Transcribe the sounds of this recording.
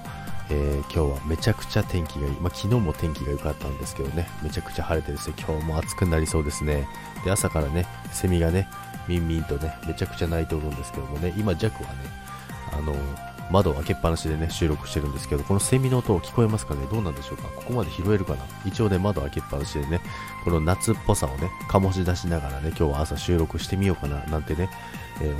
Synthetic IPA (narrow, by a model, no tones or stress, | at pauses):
eːkʲʰo̞ːβame̞t͡ɕakɯ̟̥t͡ɕat̪ʰẽ̞ŋkʲiɡaimakʲʰino̞ːmo̞t̪ʰẽ̞ŋkʲiɡajo̞kat̪ːãnd̪e̞sɨ̥ke̞d̪one̞me̞t͡ɕakɯ̟̥t͡ɕahaɾe̞t̪e̞ɾɯsokʲʰo̞ːmo̞at͡sɨ̥kɯ̟naɾʲiso̞ːd̪e̞sɨne̞ | d̪̥e̞asakaɾane̞ | se̞mʲiɡane̞ | mʲĩmːʲĩnt̪o̞ne̞me̞t͡ɕakɯ̟̥t͡ɕanait̪e̞oɾɯ̟̃nd̪e̞sɨ̥ke̞d̪o̞mone̞ʔimad͡ʑakɯ̟βa̰ne̞ | a̰no̞ | mad̪o̞βake̞pːanaɕid̪e̞ne̞ɕɨːɾo̞kɯ̟ɕi̥t̪e̞ɾɯ̟̃nd̪e̞sɨ̥ke̞d̪o̞ko̞no̞se̞mʲino̞ːt̪o̞kʲi̥ko̞e̞masɨ̥kane̞d̪o̞ːnãnd̪e̞ɕo̞ːkako̞ko̞mad̪e̞çiɾo̞e̞ɾɯ̟kana | it͡ɕio̞ːne̞mad̪o̞βake̞pːanaɕid̪e̞ne̞ | ko̞no̞nat͡sɨpːo̞sao̞ne̞kʰamo̞ɕid̪aɕinaɡaɾane̞kʲo̞ːβaːsaɕɨːɾo̞kɯ̟ɕi̥t̪e̞mʲio̞ːkananãnt̪e̞ne̞ | eː